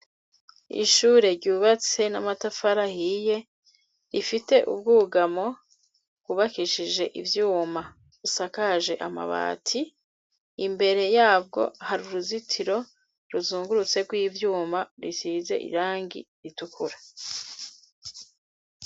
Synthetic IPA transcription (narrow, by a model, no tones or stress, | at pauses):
ḭʃuːɾeɾɟuːβat͡se̞namatafaɾahije̞ | ɾifite̞ʔṵb̚ɡuːɡamo̞ | ɡuβakiʃiʒe̞ʔḭvjuːma | βusakaʒe̞ʔama̰βa̰ːtʰiː | mbe̞ɾe̞jaːb̚ɡo̞̰haɾuɾuzitʰiɾo̞ | ɾuzuːŋɡuɾut͡se̞ɡwiːvjuːmaɾisize̞̰ʔḭɾaːŋɡḭɾitukʰuɾa